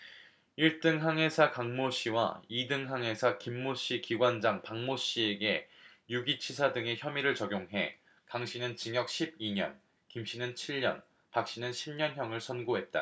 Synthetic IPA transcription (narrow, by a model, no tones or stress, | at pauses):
iɭt͈ɯŋɦaŋɦe̞sʰakaŋmoɕ͈ʰiwa̰idɯŋɦaŋɦe̞sʰakimːoɕ͈ikiɡwand͡ʑaŋpaŋmoɕ͈ieɡe̞ | juɡit͡ɕʰisʰadɯŋe̞çjʌmiɾɯɭt͡ɕʌɡjoŋɦe̞̰ | kaŋɕʰinɯnt͡ɕiŋjʌk̚ɕʰib̚iɲʌ̰n | kimɕ͈ʰinɯnt͡ɕʰiɭɲʌ̰n | pak̚ɕ͈inɯnɕʰimɲʌnçjʌŋɯɭsʰʌnɡoɦe̞t̚t͈a̰